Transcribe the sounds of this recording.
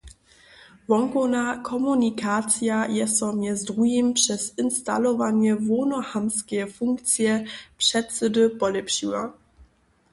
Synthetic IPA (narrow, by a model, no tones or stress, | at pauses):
vɔŋkɔnakʰɔmunikat̪sjajɛst̪ɔmjɛzdʁujimpʂɛsinst̪a̰lɔvaɲɛvɔnɔhamskʲɛfuŋk̚t̪sjɛpʂɛt̪sɘd̪ɘpɔlɛpɕiwa̰